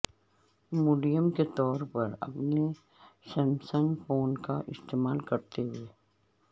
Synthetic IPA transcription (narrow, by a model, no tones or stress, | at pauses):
muːɖijəmket̪ɔːɾpɐɾɐ̰pne | sɛmsənfoːnkaʔɪst̪eːmaːlkɐɾt̪eɦʊeː